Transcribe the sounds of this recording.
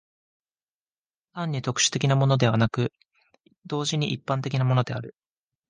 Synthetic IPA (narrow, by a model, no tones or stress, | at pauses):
t̪ãɲ̟ːit̪o̞kɯ̟̥ɕɨ̥t̪e̞kʲinamo̞no̞d̪e̞βanakɯ̟ | d̪o̞ːʑiɲ̟iʔipːãnt̪̬e̞kʲinamo̞no̞d̪e̞aɾɯ̟